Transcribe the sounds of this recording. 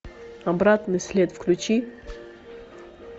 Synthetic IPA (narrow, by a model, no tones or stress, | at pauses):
ɐbɾat̪nɨsʲlʲet̪fklʲut͡ɕi